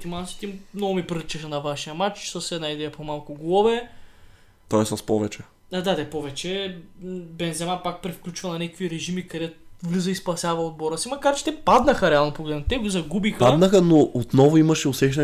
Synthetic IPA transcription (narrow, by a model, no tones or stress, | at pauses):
t̪imansi̥t̪imnɔɡʊmipɾiɾɛt͡ʃɛxɐnɐvaʃijəmat͡ʃsəsɛd̪naid̪ɛɐpomalˠkʊɡlˠɔvɛ | t̪ɔɛsaspɔvɛt͡ʃɛ | ad̪ad̪ɛpɔvɛt͡ʃɛ | bɛnzɛmapak̚pɾɛfklʲut͡ʃvɐnɐnɛkə̥kviɾɛʒimikɐd̪ɛt̪vlizəispɐsʲavɐod̪̚bɔɾəsimɐkaɾt͡ʃɛ̥t̪ɛpad̪nɐxɐɾɛalˠnopoɡlɛd̪nt̪ɛɡozɐɡubixad̪nəxɐnoʔot̪nɔvʊimɐʃɛʊsɛxnɛ